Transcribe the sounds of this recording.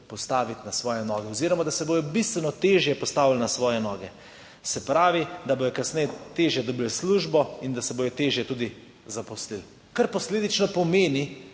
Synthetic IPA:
pɔst̪aːʋit̪nasʋɔːjɛnɔːɡɛɔziɾɔmad̪asɛboːjɔbist̪ʋɛnɔt̪eːʒjɛpɔst̪aːʋilnasʋɔːjɛnɔːɡɛ | sɛpɾaːʋid̪abojɔkasnɛjɛt̪eʒjɛd̪ɔbilsluːʒbɔind̪asɛboːjɔt̪eːʒjɛt̪uːd̪i | zapɔslil | kaɾpɔsleːd̪it͡ʃnɔpɔmeːni

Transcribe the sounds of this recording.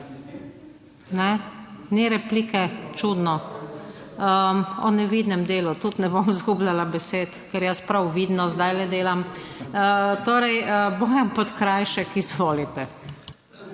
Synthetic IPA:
nɛniɾɛpliːkɛt͡ʃud̪nɔ | əɔ̰nɛʋid̪nɛmd̪eːlut̪ut̪nɛbomizɡublalabɛseːt̪kɛɾjaspɾawʋid̪nɔzd̪ajlɛd̪eːlamət̪oːɾɛjəboːjampɔt̪kɾajʃɛkizʋoːlit̪ɛ

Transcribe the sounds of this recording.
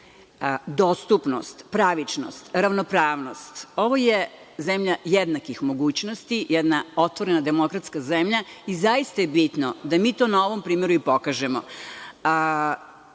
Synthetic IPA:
d̪oːst̪upnost̪pɾaʋit͡ʃno̰st̪ɾaʋnopɾaːʋno̞st̪o̞ʋoje | zemʎajed̪nakixmo̞ɡuːt͡ɕnost̪ijɛd̪nao̞t̪ʋo̞ɾenad̪e̞mo̞kɾat̪skazemʎaizajist̪ajebit̪nod̪amiːt̪oːnao̞ʋo̞mpɾiːmeɾuipo̞kaʒemo̰

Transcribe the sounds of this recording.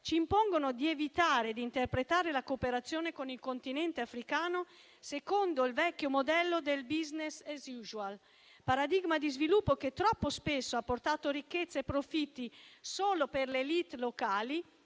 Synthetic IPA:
t͡ʃiːmpoŋɡonod̪ievit̪aːɾed̪int̪erpɾet̪aːɾelakopeɾat̪sːjoːnekonilkont̪inɛnt̪eafɾikaːno | sekond̪oilvɛkːomod̪ɛlːod̪elbiznesezjuʒual | paɾad̪iɡmad̪izvilupːoket̪ːɾɔpːospesːoapːort̪aːt̪oɾikːet̪sːepɾofit̪ːisoːloperlelit̪lokaːli

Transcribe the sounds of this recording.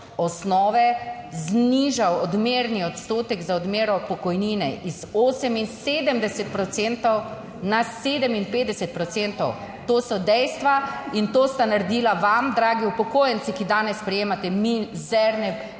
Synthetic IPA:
ɔsnɔːʋɛzniːʒawɔd̪meːɾniɔt̪st̪oːt̪ɛɡzaɔd̪meːɾɔpɔkɔjniːnɛʔiz̥oːsɛminseːd̪əmd̪ɛsɛt̪̚pɾɔt̪sent̪ɔw | naseːd̪əminpeːd̪ɛsɛt̪̚pɾɔt̪sent̪ɔw | t̪oːsɔd̪ɛjst̪ʋaint̪oːst̪anaɾed̪iːlaʋamd̪ɾaːɡiupɔkoːjɛnsikid̪aːnɛsːpɾɛjeːmat̪ɛmizɛɾnɛ

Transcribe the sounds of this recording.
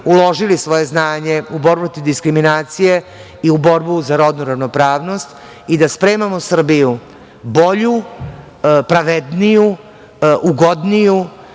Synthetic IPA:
ulo̞ʒilisʋo̞je̞znaːɲe̞uboɾpɾot̪id̪iskɾiminaːt̪sije | iubo̞ɾbuzaɾo̞d̪nuɾaʋno̞pɾaːʋno̞st̪ | id̪aspɾe̞ːmamosr̩biju | bo̞ʎu | pɾaʋed̪niju | ʔuɡo̞d̪niju

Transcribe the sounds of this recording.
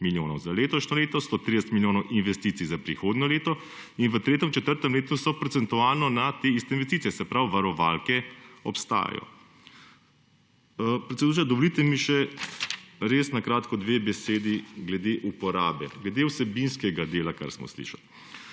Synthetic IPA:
miljoːnɔwzaleːt̪ɔʃnɔleːt̪ɔst̪oːt̪ɾid̪ɛsɛt̪miljoːnɔwʔinʋɛst̪iːt̪sizapɾixoːd̪nɔleːt̪ɔ | inʋət̪ɾeːt̪ɛmt͡ʃɛt̪əɾt̪ɔmleːt̪usɔpɾɔt̪sɛnt̪uaːlnɔnat̪eːist̪ɛinʋɛs̬t̪iːt̪sijɛsɛpɾawʋaɾɔʋa̰lkɛɔpst̪a̰ːja̰jɔ̰ | pɾɛt̪sɛd̪uːɾad̪ɔʋolit̪ɛmiʃɛ | ɾeːsnakɾaːt̪kɔd̪ʋeːbɛseːd̪iɡlɛd̪eʔupɔɾaːbɛ̰ɡlɛd̪ewsɛbinskɛɡad̪eːlaka̰ɾsmɔ̰slḭʃa̰l

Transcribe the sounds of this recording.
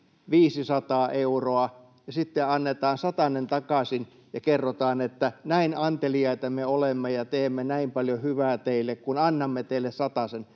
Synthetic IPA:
ʋiːsisɑt̪ɑːʔeuroɑ | jɑsit̪ːeɑnːet̪ɑːnsɑt̪ɑnent̪ɑkɑsin | jɑkerːot̪ɑːnet̪ːænæinɑnt̪eliɑit̪ɑmeolemːejɑt̪eːmːenæimpɑljohyʋæːt̪eilːˑekkunɑnːɑmːet̪eilːˑessɑt̪ɑsen

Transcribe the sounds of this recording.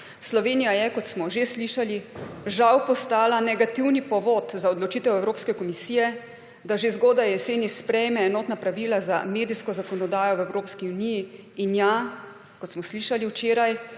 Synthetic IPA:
slɔʋeːnijajɛkɔt̪smɔʒesliʃaliʒawpɔst̪aːlanɛɡat̪iwnipɔʋot̪zaɔd̪lɔt͡ʃiːt̪ɛwɛwɾoːpskɛkɔmisiːjɛ | d̪aʒezɡoːd̪ajɛseːnispɾɛjmɛːnɔːt̪napɾaʋiːlazameːd̪iskɔzakɔnɔd̪aːjɔwɛwɾoːpskiuniji | inja | kɔt̪smɔsliʃaliwt͡ʃeːɾaj

